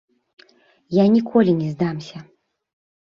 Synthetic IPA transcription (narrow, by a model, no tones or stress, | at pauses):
janʲikʰɔlʲinʲɛzd̪amsʲɐ